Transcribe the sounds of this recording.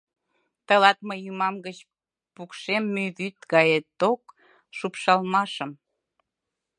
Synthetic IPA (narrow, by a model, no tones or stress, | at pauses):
t̪əlɑt̪məjumɑmɡət͡ɕ | pukʃemːyðyt̪ɡɑjet̪ːok | ʃupʃɑlmɑʃəm